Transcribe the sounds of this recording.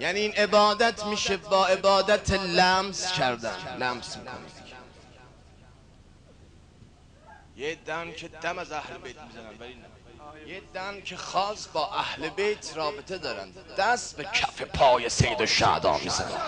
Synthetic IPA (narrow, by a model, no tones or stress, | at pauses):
jæːniiːnʔe̞bɒːd̪æt̪ʰmiːʃebɒːe̞bɒːd̪æt̪ʰelæmz̥cʰæɾd̪ænlæmzmiːkʰo̰nḭːd̪̥ | jed̪æncʰed̪æmæzæhlebejt̪̚ʰmizænænvælin | jed̪æncʰexɒːsbɒːʔæhlebejt̪ʰrɒːbet̪ʰe̞d̪ɒːɾæ̰nd̪d̪̥æst̪becʰæfepʰɒːjesejed̪oʃæ̰ːd̪ɒ̰ːmḭːzæ̰næ̰d̪